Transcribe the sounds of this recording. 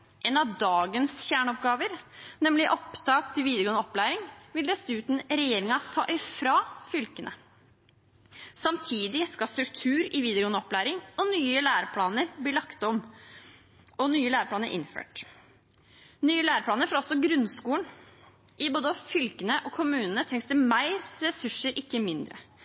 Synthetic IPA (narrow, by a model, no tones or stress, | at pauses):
ʔɛːnɑʋd̪ɑːɡənsçæːɳɔpɡɑːʋəɾnɛmlɪʔɔpt̪ʰɑːkt̪ʰɪlʋiːd̪əɡɔːnɔplæːɾɪŋʋɪld̪ɛsʉːt̪n̩ɾɛjeːɾɪŋɑt̪ʰɑ̰ːʔɪfɾɑfʏlkənʔə̰ | sɑmt̪ʰiːd̪ɪskɑst̪ɾʉkt̪ʰʉːɾɪʋiːd̪əɡɔːnəɔplæːɾɪŋɔnyːəlæːɾəpʰlɑːnəɾbliːlɑkt̪ɔm | ɔnyːəlæːɾəpʰlɑːnəɾʔɪ̰nfø̰ːʈ | nyːəlæːɾəpʰɽɑːnəɾfɔɾɔsːɔɡɾʉnskuːləɳ | ʔɪboːd̪əfʏlkənəʔɔkʰʊmʉːnənət̪ʰɛŋst̪ɪmæɪɾɾɛsʉʂːəɾʔɪkːəmɪnd̪ɾə̰